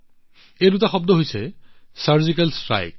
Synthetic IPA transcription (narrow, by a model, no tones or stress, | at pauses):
edutaxɔb̚d̪oɦojsʰesaɹzikalstɹa̰jk̚